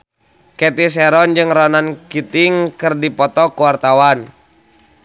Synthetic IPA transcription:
kɛt̪is̬ɛɾɔnd͡ʒɨŋrɔnankit̪iŋkɨrdipɔt̪ɔkuwart̪awan

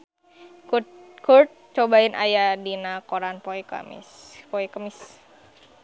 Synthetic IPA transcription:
kurt̪̚t͡ʃobainʔa̰jadinakoɾanpoɛka̰mḭspoɛkamɪs

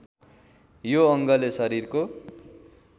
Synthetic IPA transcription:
joʌŋɡʌlesʌɾirko

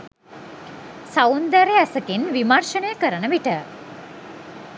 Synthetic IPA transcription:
saund̪æɾeæsəkinʋimarʃənəjəkəɾənəʋiʈə

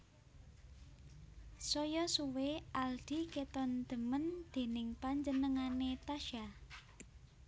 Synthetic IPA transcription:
sɔjɔsuweʔald̪̥i̤ket̪ɔnd̪̥ə̤mənd̪̥e̤nɪŋpaɲd͡ʒənəŋanet̪aʃa

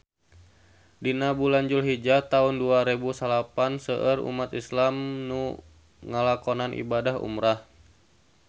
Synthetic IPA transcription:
dinabulaɲd͡ʒulɦid͡ʒat̪aʊnduaɾebusalapansəʔərṵmat̪islamnu | ŋalakɔnanʔḭbadahṵmɾah

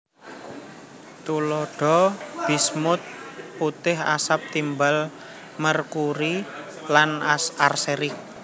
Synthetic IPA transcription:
t̪uloɖ̥ɔ̤b̥i̤smʊt̪̚put̪ɪɦa̰sap̚t̪imbal | mərkuɾi | lanarseɾɪk̚

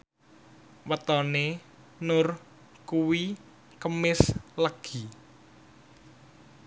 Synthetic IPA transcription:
wət̪ɔne | nʊr | kuwi | kəmɪsləɡ̥i

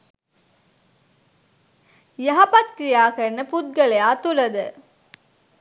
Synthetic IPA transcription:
jɐɦɐpɐt̪̚kɾijaːkɐɾnəpud̪̚ɡɐlejaːt̪ulɐd̪ə

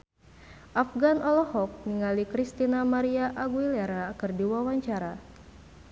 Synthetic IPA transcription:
ʔafɡanɔlɔhɔk̚niŋalikɾist̪inamaɾiaʔaɡuilɛɾaːkɨrdiwawaɲt͡ʃaɾa

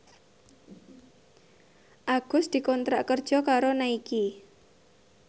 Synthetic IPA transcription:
ʔaɡ̥ʊ̤sd̪̥i̤kɔnt̪ɾaʔkərd̥ʒ̥ɔ̤kaɾonaiki

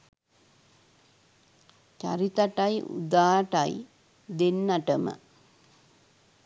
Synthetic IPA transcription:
t͡ʃɐ̰ɾit̪ɐʈɐjṵd̪aːʈɐj | d̪enːɐʈɐmə̰

